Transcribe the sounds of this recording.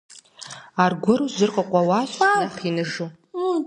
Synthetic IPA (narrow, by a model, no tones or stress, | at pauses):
arɡʷʊɾuzɨrqʼaqʷʼawaʃʷaaχinɨʐu